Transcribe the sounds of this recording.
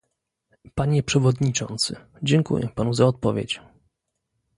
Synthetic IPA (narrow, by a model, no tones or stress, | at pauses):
paɲɛpʂɛvɔd̪ɲit͡ʂɔ̰nt̪sɘ̰ | d͡ʑɛŋkṵjɛ̰panuzaɔt̪̚pɔvʲḛt͡ɕ